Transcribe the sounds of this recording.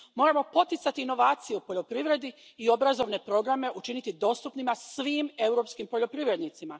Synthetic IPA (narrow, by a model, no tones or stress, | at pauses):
mo̞ːɾamo̞po̞t̪it̪sat̪iːno̞ʋaːt̪sijeupoʎo̞pɾiʋɾe̞d̪i | io̞bɾazo̞ʋne̞pɾo̞ɡɾame̞ʔut͡ʃinit̪id̪o̞ːst̪upnimasʋiːme̞uɾo̞ːpskimpo̞ʎo̞pɾiʋɾe̞d̪nit̪sima